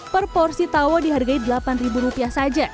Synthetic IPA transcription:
pərpɔrsit̪awɔdiɦarɡaidəlapanribuɾupiahsad͡ʒa

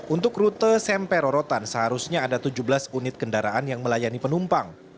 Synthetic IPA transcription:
ʔunt̪ʊkrut̪əsɛmpɛɾoɾot̪ansəɦaɾusɲaːdat̪ud͡ʒublasunɪt̪̚kəndaɾaʔanjaŋməlajanipənumpaŋ

